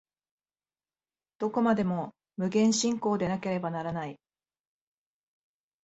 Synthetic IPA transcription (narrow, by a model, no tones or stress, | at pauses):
d̪̥o̞ko̞mad̪e̞mo̞ | mɯ̟ɡẽ̞ɰ̃ɕĩŋko̞ːd̪e̞nake̞ɾe̞banaɾanai